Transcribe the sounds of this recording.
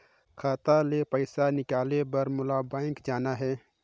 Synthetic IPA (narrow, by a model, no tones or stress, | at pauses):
kʰaːt̪alepəɪsanɪkaːlebɐɾmʊlabãːɪŋkd͡ʒaːnaɦɛː